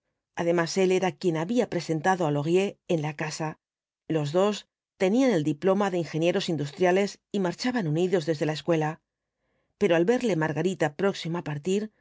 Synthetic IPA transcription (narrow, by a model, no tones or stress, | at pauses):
aðe̞mase̞le̞ɾakje̞naβiapɾe̞se̞nt̪aðoalo̞ɣje̞ːnlakasa | lo̞zðo̞s | t̪e̞niane̞ld̪iplo̞maðe̞iŋxe̞nje̞ɾo̞sind̪ust̪ɾjale̞s | imaɾt͡ʃaβanuniðo̞zðe̞zðe̞lae̞skwe̞la | pe̞ɾo̞alβe̞ɾle̞maɾɣaɾit̪apɾo̞ksimaapaɾt̪iɾ